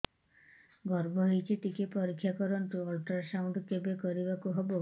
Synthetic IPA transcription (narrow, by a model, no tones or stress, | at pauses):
ɡɔɾbʱɔɦejt͡ʃʰit̪ikepɔɾikʰːjakɔɾɔnt̪uɔlʈaɾsawɳɖɔkebekɔɾibakuɦɔbo